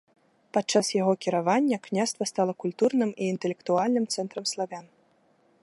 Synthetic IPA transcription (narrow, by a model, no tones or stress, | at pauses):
pat̪̚t͡ʂːasjaɣɔkʲiɾavanʲːɐknʲast̪vɐst̪alˠɐkulʲt̪urnɨmiːnt̪ɛlʲɛkt̪ualʲnɨmt̪sɛnt̪ɾɐmslˠavʲan